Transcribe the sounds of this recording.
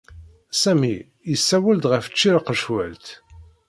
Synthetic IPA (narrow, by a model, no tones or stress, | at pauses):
sæmi | jəsːæwæld̪ʁəft͡ʃːiɾaqəʃwæ̰lt̪